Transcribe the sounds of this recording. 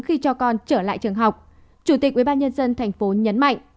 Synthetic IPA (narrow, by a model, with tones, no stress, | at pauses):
xi˧t͡ɕɔ˧kɔ˧nt͡ɕəː˧˩la̰ː˧˨jt͡ɕɨ˨˩əŋɦa˨˩wk͡p̚ | t͡ɕu˧˩t̪i˨˩k̚ʔwi˧˩ɓaː˧nɲə˧nzə˧nt̪ʰa˨˩jŋ̟fo˨˦ɲə˨˦nma̰˧˨jŋʔ